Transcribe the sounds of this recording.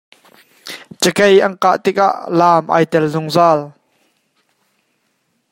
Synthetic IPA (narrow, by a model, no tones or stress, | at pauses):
t͡səkejʔɐnka̰ʔt̪ɪk̚a̰ʔlaːmʔa̰ːjt̪ɛlzʊŋzaːl